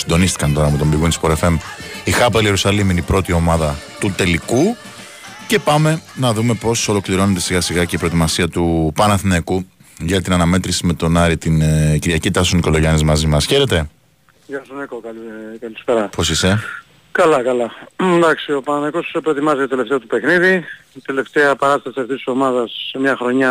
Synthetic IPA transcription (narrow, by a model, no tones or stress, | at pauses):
sind̪o̞nist̪i̥kɐnt̪o̞ɾɐːpot̪ombiɣunt̪ispoɾefe̞mixɐpɐlie̞ɾusɐliminipɾo̞t̪io̞mɐðɐt̪ut̪e̞liku | ce̞pɐme̞nɐðume̞po̞so̞lo̞kliɾo̞net̪e̞siɣɐsiɣɐce̞ipɾo̞et̪imɐsiɐt̪upɐnɐθinekuʝɐt̪inɐnɐme̞t̪ɾisime̞t̪o̞nɐɾit̪inciɾʝɐcit̪ɐsoniko̞lo̞ʝɐnizmɐzimɐsçe̞ɾe̞t̪e̞ | ʝɐsonekokɐlkɐlisfeɾɐpo̞sise̞ | kɐlɐkɐlɐnd̪ɐksio̞pɐnɐnnekospɾo̞et̪imɐziot̪ele̞ft̪eɐt̪upexniðit̪eleft̪eɐpɐɾɐst̪ɐsiɐft̪ist̪i̥so̞mɐðɐsmɲɐxɾo̞ɲɐ